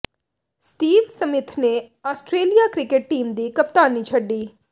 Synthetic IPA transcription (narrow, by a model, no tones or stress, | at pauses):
sʈiːʋsəmɪt̪ʰneːaːsʈɾeːlijaːkɾɪkɪʈ̚ʈiːmd̪iːkəp̚t̪aːniːt͡ʃʰəɖːiː